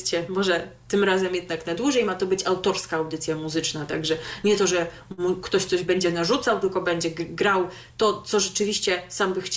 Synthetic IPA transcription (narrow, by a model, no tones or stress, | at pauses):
t͡ɕɛmɔʐɛt̪ɘmɾazɛmjɛd̪naknad̪wuʐɛjmat̪ɔbɘt͡ɕawt̪ɔɾskaːwd̪ɘt̪sʲjamuzɘt͡ʂnat̪a̰ɡʐɛɲɛt̪ɔʐɛ | mukt̪ɔɕt̪sɔʑbɛɲd͡ʑɛnaʐut̪sawt̪ɘlkɔbɛɲd͡ʑɛɡɡɾaw | t̪ɔt̪sɔʐɛt͡ʂɘvʲiɕt͡ɕɛsambɘxt͡ɕ